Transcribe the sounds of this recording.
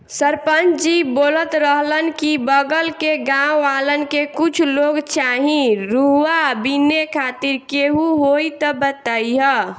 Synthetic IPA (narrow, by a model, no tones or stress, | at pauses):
səɾpənt͡ʃd͡ʒiboːlət̪ɾəɦlənkibəɡəlkeɡãwʋalənkekut͡ʃʰloɡt͡ʃaɦĩɾuɦwabinekʰaːt̪iɾkeɦuɦoit̪əbət̪əiɦə